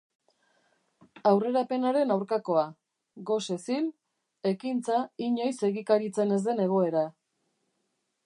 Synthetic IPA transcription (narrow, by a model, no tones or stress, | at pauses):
awre̞ɾape̞naɾe̞nawɾkako̞a | ɣo̞se̞sil | e̞kint͡saiɲo̞jse̞ɣikaɾit͡se̞ne̞zd̪e̞ne̞ɣ̞o̞e̞ɾa